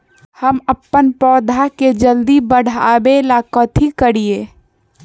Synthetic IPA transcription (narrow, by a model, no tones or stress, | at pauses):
həməpːənpɔːd̪ʱaked͡ʒəld̪ibəɽ̤abelakɔt̪ʰikəɽieː